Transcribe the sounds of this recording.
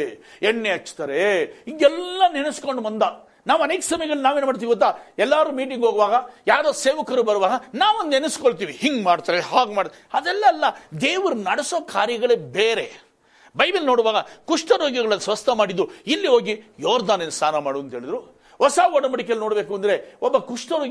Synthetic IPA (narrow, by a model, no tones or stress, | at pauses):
ɛɳːeɐt͡ʃːt̪aːɾeiɡɛlːɐnenɐsko̞ɳɖmɐnd̪ɐ | naːʋɐneːkɐsɐmɐjɐɡɐɭːnaːʋeːnumaːɽt̪iːiɡot̪̬ːaːɛlːaːɾuːmiːʈ̬iŋɡɦoːɡuʋaːɡɐjaːɾoːseːʋɐkɐɾuːbɐɾuʋaːɡɐnaːʋond̪enɐskoɭt̪iːʋihiŋɡmaːɽt̪aːɾeɦaːɡmaːɽ | ɐd̪ɛlːɐːlːɐd̪eːʋuɾunɐɽesoːkʰaːɾjɐɡɐɭeːbeːɾe̞ | bɐjbilno̞ːɽuʋaːɡɐkuʂʈɐɾoːɡjɐɡɐɭɐnːsʋɐst̪ʰɐmaːɽid̪ːuilːiɦoːɡijoːɾd̪aːneːnst̪aːnɐmaːɽuɐnt̪ɦeːɭid̪ɾu | hɔsaːɔɽɐbɐɽik̬elno̞ːɽbeːkuɐnd̪ɐɾe̞ɔbːɐkuʂʈɐɾoːɡ